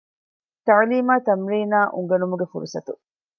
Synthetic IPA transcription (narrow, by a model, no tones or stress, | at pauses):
t̪ɐʕliːmaːt̪ɐmɾiːnaːʔuŋɡɐnumuɡefuɾusɐt̪u